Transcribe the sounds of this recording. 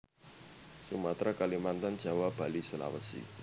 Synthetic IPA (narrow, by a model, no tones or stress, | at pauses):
sumat̪ɾakalimant̪and͡ʒ̥a̤wab̥a̤lisula̰wə̰sḭ